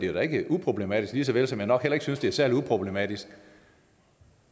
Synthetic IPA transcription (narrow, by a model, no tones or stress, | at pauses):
d̥ed̥æe̝ɡ̥əʔupʰʁob̥le̝mɛd̥isɡ̥liːsɒ̽ʋelsɒ̽mjænɒ̽ɡ̥hel̰ɐe̝ɡ̥əsynsd̥e̝æɐsæɐliupʰʁo̝b̥le̝mɛd̥isɡ̥